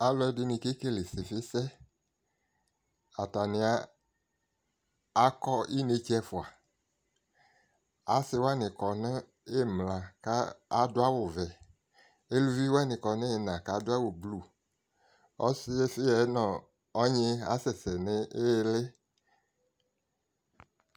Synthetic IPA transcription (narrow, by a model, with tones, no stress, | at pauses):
a˨˦lɔ˨˦ɛ˦dɪ˦nĩ˨ke˦ke˦le˨se˨fɪ˦sɛ˦ | a˨ta˨nɪ̃˨a˦ | a˦kɔ˦i˦ne˦t͡ʃɛ˦fʊ˨a˨ | a˨˦sɪ˦wa˦nɪ̃˨kɔ˨nẽ˦ | e˦˨mlã˨ka˦a˦do˦a˦wo˨vɛ˨ | e˦lu˦vi˦wa˦nɪ̃˨kɔ˨ne˦e˨nã˨ka˨˦dʊ˦a˦wo˨blu˨ | ɔ˦si˦e˦fi˦ɛ˨˦nɔ̃˨ | ɔ˦ɲẽ˦a̰˨˦sɛ˨sɛ˨ne˦e˦le˦